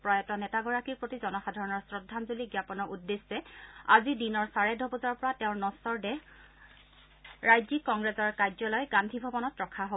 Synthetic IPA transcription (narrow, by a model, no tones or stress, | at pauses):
pɹajɔtɔnɛtaɡɔɹakiɹpɹotizɔnɔxadʱɔɹɔnɔɹsɹɔdʱːanzuliɡjapɔnɔɹʔudːesːɛa̰zidinɔɹsaɹɛdʱɔbɔzɔɹpɔɹatɛʊ̃ɹnɔsɔɹdɛ | ɹajzikːɔŋɡɹɛzɔɹkajzɔlɔjɡandʱibʱɔbɔnɔtɹɔkʰaɦo